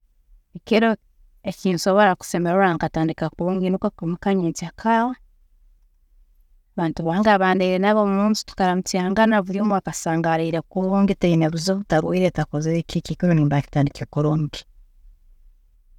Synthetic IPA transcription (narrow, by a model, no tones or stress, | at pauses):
ekiɾo | eciːnso̞βoɾaku̥se̞meɾoɾaŋkataːndikakuβoːŋɡinukakmukaɲet͡siakʰaːwa | βaːntuβaːŋɡaβaːndeiɾenaβomumuːnsi̥tu̥kaɾamutiaːŋɡanaβuɾoːmuakasaːŋɡaɾiɾekuβoːŋɡiteineβuzoːβutaɾuiɾetakozekicikiɾoniːmbaci̥taːndikekoɾoːŋɡi